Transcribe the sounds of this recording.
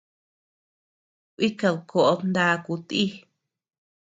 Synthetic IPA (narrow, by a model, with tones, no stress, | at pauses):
ki˦ka˧ðkʰo˧ʔo˧nd̪a˦˧ku˧t̪i˦